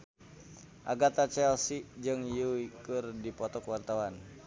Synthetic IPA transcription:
ʔaɡat̪at͡ʃɛlsid͡ʒɨŋjuikɨrdipɔt̪ɔkwart̪awan

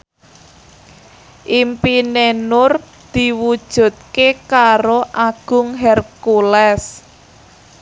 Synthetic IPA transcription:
ʔimpinenʊr | d̪̥i̤wud̥ʒ̥ṳt̪̚kekaɾoʔaɡ̥ʊ̤ŋɦɛrkulɛs

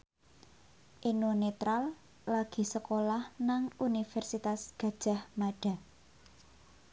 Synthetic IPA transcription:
ʔinunet̪ɾal | laɡ̥i̤səkolahnaŋunifɛrsit̪asɡ̥a̤d̥ʒ̥a̤hmaɖ̥a̤

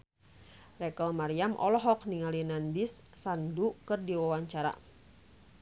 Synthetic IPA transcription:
rɛkəlmaɾiamʔɔ̰lɔɦɔk̚niŋalinandisːandukɨrdiwawaɲt͡ʃaɾa̰

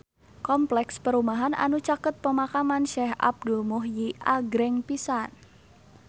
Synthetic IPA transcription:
kɔmplɛkspəɾumaɦana̰nut͡ʃakət̪̚pəmakamanʃɛha̰b̚dulmuɦjiʔaɡɾɛŋpisan

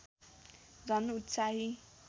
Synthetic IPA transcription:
d͡zʱʌnut̪saɦi

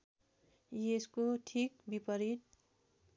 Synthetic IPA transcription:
jeskoʈʰik̚bipʌɾit̪̚

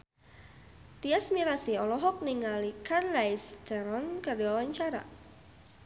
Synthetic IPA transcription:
t̪iasmiɾasiɔlɔɦɔk̚niŋalikarlajst̪əɾɔnkərdiwawaɲt͡ʃaɾa̰

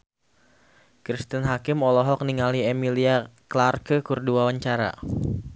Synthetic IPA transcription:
kɾist̪ənɦakɪmɔlɔɦɔk̚niŋaliemiliaklarkəkurduawaɲt͡ʃaɾa̰

